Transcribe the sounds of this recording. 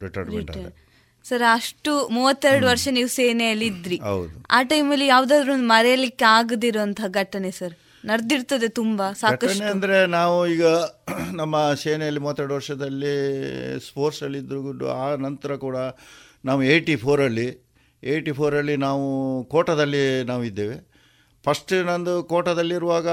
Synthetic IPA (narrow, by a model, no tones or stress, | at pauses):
ɾiʈɐɾnmɾḭɳʈːɐ | sɐɾɐʂʈumuːʋɐt̪ːeɾɐɽuʋɐɾʂɐniːʋuseːnejɐlːid̪ɾiɦɐ̰wd̪ua̰ːʈɐjmɐlːijaːʋud̪aːd̪ɾuond̪umɐɾɛjɐlikːeaːɡd̪iɾoɐnt̪ʰɐɡʱɐʈːɐnesɐɾ | nɐɾd̪iɾt̪ɐd̪e̞t̪umbɐsaːɐkɐɐʈeɐnd̪ɐɾe̞naːʋuiːɡɐnɐmːɐseːnejɐlːimuːɐt̪ːɛɽuʋɐɾʂɐd̪ɐlːispoːɾsɐlːid̪ɾuɡuɖːṵaːnɐnt̪ɐɾɐkuːɽɐ | naːʋueːʈipʰoːɾɐlːi | eːʈipʰoːɾɐlːinaːʋukoːʈɐd̪ɐlːinaːʋuid̪ːeːʋe | pʰɐʂʈnɐnd̪ukoːʈɐd̪ɐlːiiɾuʋaːɡɐ